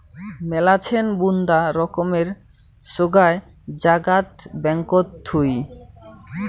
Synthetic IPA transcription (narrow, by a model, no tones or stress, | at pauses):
mɛlat͡ɕʰenbund̪aɾɔkomeɾ | ʃoɡae | d͡ʑaɡat̪bɛŋkot̪ʰːuj